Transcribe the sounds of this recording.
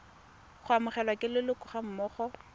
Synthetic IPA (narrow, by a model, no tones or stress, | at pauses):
χʊamʊχɛlwakʼɪlɪlʊkʼʊχam̩mɔːχɔ